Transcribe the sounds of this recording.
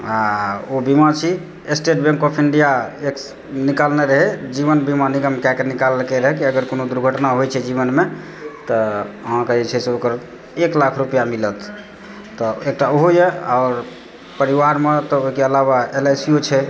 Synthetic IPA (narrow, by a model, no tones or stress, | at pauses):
aobimat͡ʃʰi | esʈeʈbẽŋkɔpʰiɳɖijaek | nikalneɾəɦɛd͡ʒiβənbimaniɡəmkɛkenikalkeɾəɦɛkiəɡəɾkonod̪uɾɡʱəʈnaɦojt͡ʃʰɛd͡ʒiβənme | t̪ɔɦãkeɛt͡ʃʰɛseokəɾ | eklakʰɾupijamilət̪ː | ɔek̚ʈaoɦojeaɔɾ | pəɾiʋaɾmet̪ɔoɦikeəlaβaelesijot͡ʃʰɛ